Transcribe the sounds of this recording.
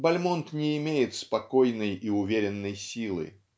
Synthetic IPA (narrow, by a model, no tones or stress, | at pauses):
bɐlʲmont̪nʲɪːmʲejɪt̪spɐkojnɨjiʊvʲeɾʲɪnːɨjsʲilˠɨ̰